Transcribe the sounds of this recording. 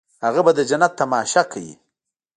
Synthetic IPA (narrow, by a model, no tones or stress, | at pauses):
haɣabad̪əd͡ʒanat̪ːamɑʃakʰawḭ